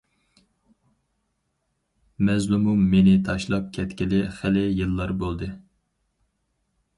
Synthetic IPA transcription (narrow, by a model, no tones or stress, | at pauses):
mɛzlumumːenɪt̪ʰɑʃlˠɑp̚kʲʰɛt̪kʲilɪχælɪjɨlˠːɑɾbolˠd̪ɨ